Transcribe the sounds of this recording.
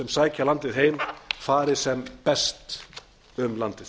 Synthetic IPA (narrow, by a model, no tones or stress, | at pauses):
ɛmsaːjcʰalant̪ɪðɦeːjmfaːɾɪ̥sɛmpɛst̪ | ʏmlant̪ɪ